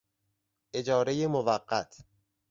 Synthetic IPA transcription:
ʔe̞d͡ʒɒːɾe̞jemovæɢːæt̪ʰ

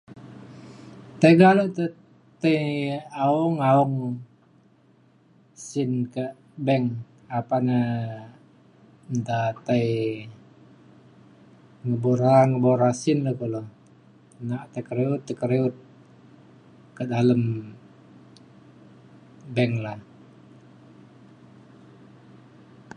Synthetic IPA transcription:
t̪əɡaloʔt̪ə | t̪əjauŋauŋ | sinkəʔ | bɛŋ | apanə | nt̪at̪aj | ŋəboɾaŋəboɾasinləkolo | naʔt̪əkəɾeut̪ːəkəɾeut̪̚ | kədaləm | bɛŋla

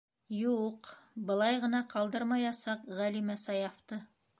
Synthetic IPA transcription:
juqbɤ̆lˠɑjʁɤ̆nɑqɑlˠd̪ɤɾmɑjɑsɑqʁælimæsɑjɑft̪ɤ

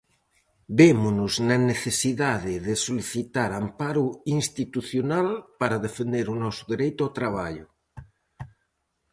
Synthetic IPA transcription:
bemunuznaneθesiðaðeðesoliθit̪aɾampaɾuinst̪it̪uθjonalpaɾaðefend̪eɾunɔsoðeɾejt̪oat̪ɾaβ̞aʎʊ

